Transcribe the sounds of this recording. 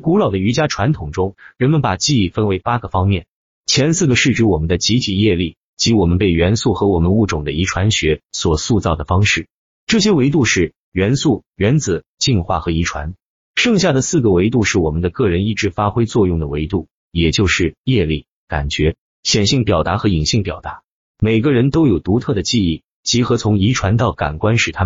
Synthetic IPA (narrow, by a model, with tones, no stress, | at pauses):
ku˧˥lɑ˨˩ʊd̪ə˦y˧˥t͡ɕja˥ʈ͡ʂʰwa˧˥nt̪ʰʊ˨˩ŋʈ͡ʂʊ˥ŋɻə˧˥nmə˧npa˨˩t͡ɕi˥˧i˥˩fə˥nwe˧˥ɪpa˥ɡə˨fɑ˥ŋmjɛ˥˩n | t͡ɕʰjɛ˧˥nsɹ̩˥˩ɡə˩ʂɻ̩˥˧ʈ͡ʂɻ̩˥wɔ˨˩mə˦nd̪ə˧t͡ɕi˧˥t̪ʰi˨˩jɛ˥˧li˥˩ | t͡ɕi˧˥wɔ˨˩mə˧˦npe˥˩ɪɥɛ˧˥nsu˥˩xɤ˧˥wɔ˨˩mə˦nu˥˩ʈ͡ʂʊ˨˩ŋd̪ə˦i˧˥ʈ͡ʂʰwa˧˥nɕɥɛ˧˥swɔ˨˩su˥˧t͡sɑ˥˩ʊd̪ə˩fɑ˥ŋʂɻ̩˥˩ | ʈ͡ʂɤ˥˩ɕjɛ˥we˧˥ɪt̪u˥˧ʂɻ̩˥˩ | ɥɛ˧˥nsu˥˩ɥɛ˧˥nt͡sɹ̩˨˩t͡ɕi˥˧nxwa̰˥˩xɤ˧˥i˧˥ʈ͡ʂʰwa̰˧˥n | ʂɤ˥˧ŋɕja˥˩d̪ə˩sɹ̩˥˩ɡə˩we˧˥ɪt̪̬u˥˧ʂɻ̩˥˩wɔ˨˩mə˦nd̪ə˧kɤ˥˩ɻə˧˥ni˥˩ʈ͡ʂɻ̩˧˥fa˥xwe˥ɪt͡swɔ˥˧jʊ˥˩ŋd̪ə˩we˧˥ɪt̪u˥˩ | jɛ˨˩t͡ɕjo˥˧ʊʂɻ̩˥˧jɛ˥˧li˥˩ | ka˨˩nt͡ɕɥɛ˧˥ | ɕjɛ˨˩nɕi˥˩ŋpjɑ˨˩ʊt̪a˧˥xɤ˧˥i˨˩ŋɕi˥˩ŋpjɑ˨˩ʊt̪a˧˥ | me˨˩ɪɡə˧ɻə˧˥nt̪o˥ʊjo˨˩ʊt̪u˧˥t̪ʰɤ˥˩d̪ə˩t͡ɕi˥˧i˥˩ | t͡ɕi˧˥xɤ˧˥t͡sʰʊ˧˥ŋi˧˥ʈ͡ʂʰwa˧˥nt̪̬ɑ˥˩ʊka̰˨˩nkwa˥nʂɻ̩˨˩t̪ʰa˥